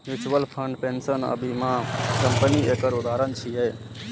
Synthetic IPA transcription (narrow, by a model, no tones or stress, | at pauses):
ʋut͡ʃwəlpʰəɳɖpensənə̰bʱimãkəmpəniekəɾud̪aɾənt͡ʃʰiɦəj